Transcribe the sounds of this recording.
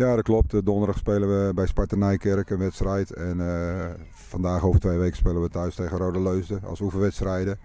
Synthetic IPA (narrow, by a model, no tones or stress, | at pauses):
jaːdɔt̚klɔp̚tdɔndərdaxspeːlənʋəbɛjspaɹtənɛjkɪrkənʋɛtstrɛjtɛn | fandaːxoːvərtʋejʋejkə̥speːlənʋətœɥsteːɣənroːdəløɥsdəɑ̰lˠsuvəʋɛtstrɛjdə